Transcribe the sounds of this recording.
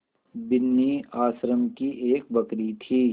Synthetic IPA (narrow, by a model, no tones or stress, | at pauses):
bɪnːiaːsɾəmkiʔeːk̚bɐkɾit̪ʰiː